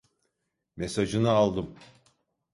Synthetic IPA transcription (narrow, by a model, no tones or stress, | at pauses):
mesad͡ʒɯnɯalˠd̪ɯm